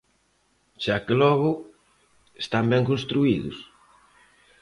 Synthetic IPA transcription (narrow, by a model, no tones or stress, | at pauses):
ʃakelɔɣʊ | est̪ambɛŋkonst̪ɾuiðʊ̰s